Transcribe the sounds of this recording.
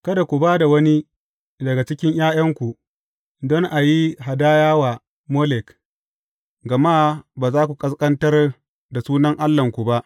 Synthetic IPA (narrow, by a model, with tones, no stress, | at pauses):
kɐ˦da˨kʷu˨baː˦da˨wɐ˦ni˦ | dɐ˨ɡa˨t͡ʃɪ˦kʲɪ˦ɲj̰aː˦jɐ˦ŋkʷu˨ | dɔ˦ŋʔa˨ji˦ɦa˨daː˦jaː˦waː˨ | mo˦lɛ˨k | ɡɐ˨ma˦baː˨zaː˦kʷu˨kʼɐ˦skʼɐ˦ntɐ˦r | da˨suː˦nɐ˦ŋʔa˦lːɐ˨ŋkʷu˨ba˦ʔ